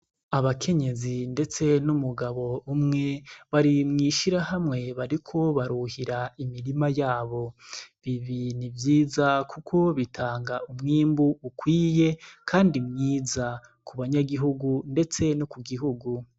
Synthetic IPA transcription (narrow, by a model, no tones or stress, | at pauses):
aβakʰe̞ɲe̞zinde̞t͡se̞numuɡaβo̞umŋe̞βaɾimŋiːʃiɾahamŋe̞βaɾikʰo̞βaɾuhiɾaimiɾimajaːβo̞βiβinivjiːzakukʰo̞βitʰaːŋɡaumŋiːmbuːkwiːje̞kʰaːndimŋiːza | kʰuβaɲaɡiɦuɡunde̞t͡se̞nokuɡiɦuɡu